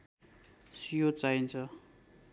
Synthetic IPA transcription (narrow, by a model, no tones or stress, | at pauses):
sijot͡saint͡sʰʌ